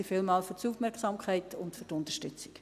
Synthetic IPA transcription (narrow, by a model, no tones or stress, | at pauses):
ifɪlmɑːlfʏtsufmɛɾksɑmkʰɛɪtʰʊntfʏɾtʊntəʃtʏt͡sɪ̥k